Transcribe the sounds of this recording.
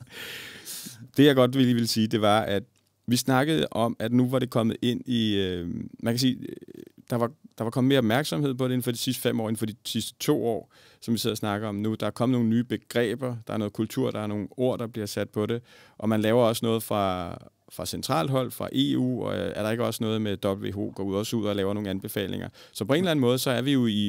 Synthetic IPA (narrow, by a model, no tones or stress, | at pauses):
d̥e̝jɑ̈ɪɡ̥ɒ̽d̥ʋeliːʋelsiːd̥e̝ʋɑ̈æd̥ | ʋisnɑ̈ɡ̥əð̞̩ˠʔɒ̽mæd̥nuʋɑ̈ɾe̝kʰɒ̽məð̞̩ˠe̝n̰iømænkʰæs̬iːd̥ɑ̈ʋɑ̈d̥ɑ̈ʋɑ̈kʰɒm̩me̝ɐɒb̥mæɐɡ̥sɒ̽mhe̝ð̰ˠpʰɒ̽dee̝n̩fɒ̽di̥sisd̥əfem̰ɒ̰ːe̝n̩fɒd̥isisd̥ə̥t͡sʰo̝̰ːɒ̰ː | sɒ̽mʋise̝̰ɐsnɑ̈ɡ̥ɐɒ̽mnud̥ɑ̈æɐkʰɒməno̝ːŋn̩nyːb̥e̝ɡ̥ʁɛ̰ːb̥ɐd̥ɑ̈æɐnɔ̽ːð̩kʰult͡sʰuɐ̰ɾ̥ɑ̈æɐno̝ːn̩o̝ɐ̰d̥ɑ̈b̥liɐsæd̥̚pʰɒ̽ɾe̝ʔɒ̽mænlɛːʊɐɒ̽sənɔ̽ːð̞ˠfʁɑ̈ | fʁɑ̈sent͡sʰʁɑ̰̈ːld̥ɦɒ̽l̰fʁɑ̈ʔe̝̰ṵːɒæɐɾɑ̈eɡəɒ̽sənɔ̽ːðˠmed̥ɒ̽b̥l̩ʋe̝̰ːɦo̝̰ːɡ̥ɒ̰ːuð̰ˠɒsuð̞̰ˠɒlɛːʊɐno̝ːŋn̩ænb̥e̝fɛ̰ːle̝ŋʔɐsɒ̽pʰɒ̽e̝nlæn̩mɔ̽ːð̞ˠsɒ̽æɐʋijo̝i